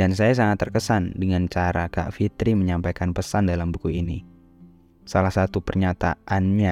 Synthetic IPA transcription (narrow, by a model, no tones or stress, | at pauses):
dansajas̬aŋat̪ːərkəsandəŋant͡ʃaɾaka̰ʔfit̪ɾiməɲampajkanpəsandalambukuini | salahsat̪upərɲat̪aʔanɲa